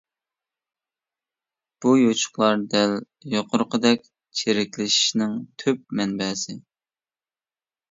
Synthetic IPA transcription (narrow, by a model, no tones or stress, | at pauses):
b̥ujot͡ʃʰʊ̥χlˠɑɾd̪ɛl | joqʰʊɾqʰəd̪ɛkʲ | t͡ʃʰeɾɪkʲlɪʃi̥ʃnɪŋt̪ʰøp̚mɛnbɛːsɪ